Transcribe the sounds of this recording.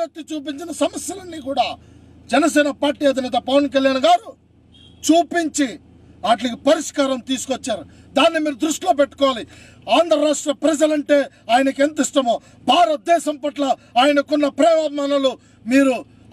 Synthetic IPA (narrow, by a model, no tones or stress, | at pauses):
ɐt̪ːit͡ʃuːp̬iɲt͡ʃinɐsɐmɐsjɐlɐnːikuːɽaː | d͡ʒɛnɐsɛːnɐpaːɾʈiːɐd̪ʱinɛːt̪ɐpɐʋɐnkɐljaːnɡaːɾu | t͡ʃuːpiɲt͡ʃi | aːʈ̬lɐkipɐɾiʂkaːɾɐmt̪iːsu̥kot͡ʃːaːɾu | d̪aːnːimiːɾud̪ɾuʂʈlo̞ːp̬ɛʈːu̥kɔːʋaːli | aːnd̪ʱɾɐɾaːʂʈɾɐpɾɐd͡ʒɐlɐɳʈe̞ː | aːjnɐkent̪iʂʈɐmoː | bʱaːɾɐt̪̚d̪ɛːʃɐmpɐʈlɐaːjɐnɐkɔnːɐpɾɛːʋaːmaːnɐlu | miːɾu